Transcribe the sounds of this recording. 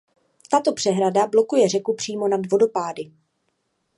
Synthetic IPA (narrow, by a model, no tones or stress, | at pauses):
t̪at̪o̞pr̥ɛɦɾadablo̞kujɛrɛkupr̝̥iːmo̞nadvo̞do̞paːdɪ